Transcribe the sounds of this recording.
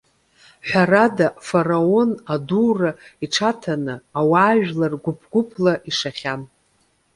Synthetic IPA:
ħʷᶣaradafarao̞naduːraiʈ͡ʂʰatʰanɨawaːɥᶣlarɡʷʊpʰɡʷʊpʰlaʔiʂaχʲan

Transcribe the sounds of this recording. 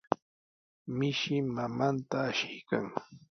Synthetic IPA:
mɪʃɪmamant̪aːʃɪjkaŋ

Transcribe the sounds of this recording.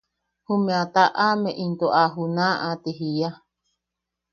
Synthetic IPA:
humẽat̪aʔamẽʔint̪oʔaɦunãʔat̪iɦija

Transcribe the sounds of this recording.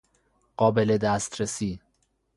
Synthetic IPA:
ɢ̥ɒːbele̞d̪æst̪ɾesiː

